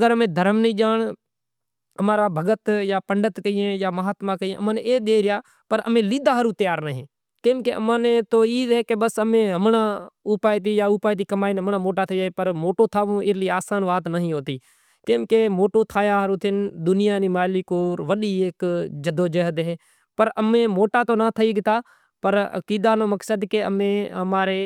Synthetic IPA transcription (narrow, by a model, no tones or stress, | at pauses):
əɡəɾəmẽːd̪ʱəɾəmnəĩːd͡ʒaːɳ | əmaːɾaːbʱəɡət̪jaːpəɳɖət̪kəiːẽːjaːməɦaːt̪mãːkəiẽəmãːneeːɗ̪eːɾɪjaː | pəɾə̰mẽːliːd̪aːɦəɾũːt̪əjaːɾnəɦẽː | kẽmkeʔə̰mãːnet̪oːiːɦɛːkebəsəmẽːɦəmnãːʊpaːit̪̬iːjaːʊːpaːit̪̬iːkəmaːinɦəmnãːmoːʈaːt̪ʰed͡ʒaːeːpəɾmoːʈoːt̪ʰaːʋõːɪliaːsaːnʋaːt̪nəɦĩːɦoːt̪iː | kẽkemoːʈoːt̪ʰaːjaɦəɾuːt̪ʰɪnd̪ʊnɪjaːnĩːmaːlikoːɾʋəɗiːeːkd͡ʒəd̪oːd͡ʒəɦəd̪ɦeː | pəɾəmẽːmoːʈaːt̪oːnat̪ʰəiɡɪt̪aː | pəɾə̰kiːd̪aːnoːməksəd̪keə̰mẽɦəmaːɾeː